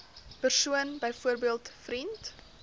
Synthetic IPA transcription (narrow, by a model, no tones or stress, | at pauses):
pərsuənbəjfuərbiəlˠtfrɾint